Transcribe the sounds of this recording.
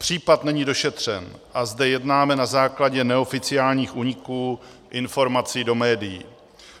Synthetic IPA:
pr̝̥iːpat̪nɛɲido̞ʃɛt̪r̝̥ɛ̰nʔazdɛjɛdnaːmɛnazaːklaɟɛnɛo̞fɪt͡sɪaːlɲiːxʔuːɲɪkuː | ʔɪnfo̞ɾmat͡siːdo̞mɛːdɪji

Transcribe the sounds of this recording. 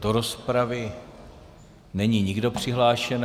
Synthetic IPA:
d̥oɾo̞spɾavɪ | nɛɲiɲɪɡdo̞pr̝̥ɪɦlaːʃɛn

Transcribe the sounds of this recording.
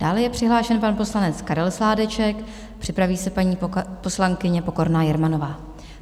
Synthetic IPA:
d̥aːlɛjɛpr̝̥ɪɦlaːʃɛnpanpo̞slanɛt͡skaɾɛlslaːdɛt͡ʃɛk | pr̥ɪpɾaviːsɛpaɲiːpo̞slaŋkɪɲɛpo̞ko̞ɾnaːjɛɾmano̞vaː

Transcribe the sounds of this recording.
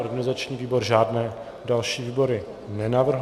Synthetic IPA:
oɾɡanɪzat͡ʃɲiːviːbo̞ɾʒaːdnɛː | dalʃiːviːbo̞ɾɪ | nɛnavr̩ɦ

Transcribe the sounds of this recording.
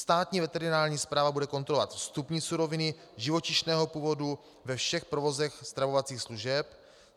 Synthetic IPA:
st̪aːt̪ɲiːvɛt̪ɛɾɪnaːɾɲiːspɾaːvabudɛko̞nt̪ɾolova̰t̪fst̪upɲiːsuɾo̞vɪnɪ | ʒɪvo̞cɪʃnɛːɦo̞puːvo̞du | vɛfʃɛxpɾovo̞zɛxst̪ɾavo̞vat͡siːxsluʒɛp

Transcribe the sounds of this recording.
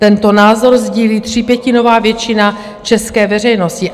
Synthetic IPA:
t̪ɛnt̪o̞naːzo̞ɾzɟiːliːt̪r̝̥ɪpjɛcɪno̞vaːvjɛt͡ʃɪna | t͡ʃɛskɛːvɛr̝ɛjno̞scɪ

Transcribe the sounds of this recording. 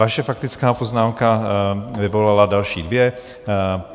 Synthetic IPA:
aʃafakt̪it͡skaːpɔznaːmka | ivɔlalad̪alʃḭːd̪ʋjɛ

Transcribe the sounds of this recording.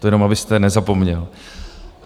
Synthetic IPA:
t̪ojɛnomabɪst̪ɛnɛzapo̞mɲɛl

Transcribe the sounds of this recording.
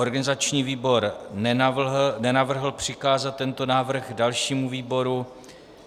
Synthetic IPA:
oɾɡanɪzat͡ʃɲiːviːbo̞ɾ | nɛnavr̩ɦl̩pr̝̥ɪkaːzat̪̚ːɛnt̪o̞naːvr̩ɣdalʃiːmuviːbo̞ɾu

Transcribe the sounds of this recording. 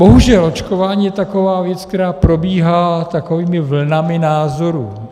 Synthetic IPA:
bo̞ɦuʒɛlo̞t͡ʃkovaːɲiːjɛt̪ako̞vaːvjɛt͡skt̪ɛɾaːpɾo̞biːɦaːt̪ako̞viːmɪvl̩namɪnaːzo̞ɾṵː

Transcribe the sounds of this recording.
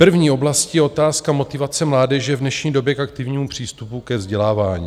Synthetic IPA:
pr̩vɲiːo̞blascijɛo̞t̪aːskamo̞t̪ɪvat͡sɛmlaːdɛʒɛvdnɛʃɲiːdo̞bjɛkak̚t̪ɪvɲiːmupr̝̥iːst̪upukɛvzɟɛlaːvaːɲḭː

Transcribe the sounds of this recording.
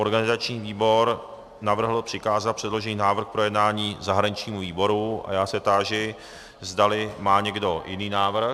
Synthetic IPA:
ʔo̞ɾɡanɪzat͡ʃɲiːviːbo̞ɾ | navr̩ɦl̩pr̝̥ɪkaːzat̪̚pr̥ɛdlo̞ʒɛniːnaːvr̩x̚pɾo̞jɛdnaːɲiːzaɦɾaɲɪt͡ʃɲiːmuviːbo̞ɾua̰jaːsɛt̪aːʒɪ | zdalɪmaːɲɛɡdo̞jɪ̰niːnaːvr̩

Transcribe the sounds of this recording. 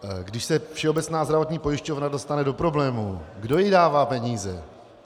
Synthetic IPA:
ɡdɪʃsɛfʃɛo̞bɛt͡snaːzdɾavo̞t̪ɲiːpo̞jɪʃco̞vnado̞st̪anɛdo̞pɾo̞blɛːmuɡdo̞jɪdaːvaːpɛɲiːzɛ

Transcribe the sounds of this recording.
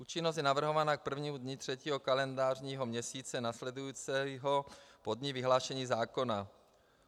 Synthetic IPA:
ʔuːt͡ʃɪnost̪jɛnavr̩ɦo̞vanak̚pr̩vɲiːmudɲɪt̪r̝̥ɛciːɦokalɛndaːrɲiːɦo̞mɲɛsiːt͡sɛnaslɛdujut͡sɛɦopodɲɪvɪɦlaːʃɛɲiːzaːko̞na

